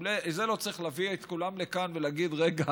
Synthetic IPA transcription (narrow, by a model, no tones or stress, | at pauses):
lezelo̞t͡sʁiχlaviet̪kulamle̞kanvelaɡid̪ʁeɡa